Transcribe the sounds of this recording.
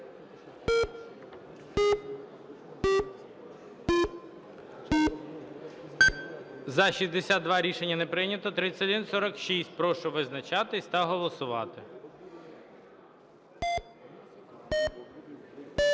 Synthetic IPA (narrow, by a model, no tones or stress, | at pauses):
zɐʃizd̪esʲat̪d̪̚d̪ʋɑɾʲiʃenʲːɐnepɾɪnʲɐt̪ɔt̪ɾɪt͡sʲːɐd̪insɔɾɐkʃisʲt̚ʲpɾɔʃɔʋɪznɐt͡ʃɑt̪ɪsʲt̪ɐɦɔlˠɔsʊʋɑ̰t̪ɪ